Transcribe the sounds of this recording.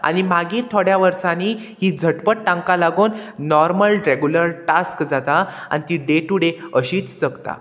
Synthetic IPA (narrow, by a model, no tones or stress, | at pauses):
a̰ɽ̃imaɡiːɾt̪ʰoɽjaʋəɾsaniː | hiːd͡zʱəʈpəʈ̚ʈãŋkalaɡoːnnɔɾməlɾeɡjuləɾʈaskd͡zat̪aa̰nit̪iɖeʈuɽeəɕiːt͡sd͡zəɡt̪a̰